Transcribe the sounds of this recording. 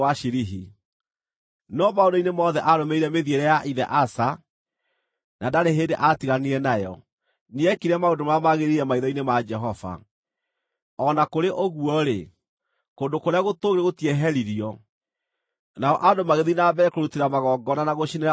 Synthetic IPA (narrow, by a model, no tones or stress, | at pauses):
waʃiɾiɦi | nɔmaodoinemɔðɛʔaɾomeiɾɛmeðieɾɛjaʔiðɛ̰ʔasa | nadaɾeɦendeʔatiɣaniɾɛnajɔ̰ | niɛkiɾɛmaodomamaɣeɾiɾɛmaiðɔinemad͡ʒɛɦɔva̰ | ɔnakoɾeʔoɣuɔɾe | kondokoɾeaɣotoɣɾeɣotiɛɦɛɾiɾiɔ | naɔʔadomaɣeðinabɛɾɛkoɾutiɾamaɣɔːɡɔnanaɣoʃineɾa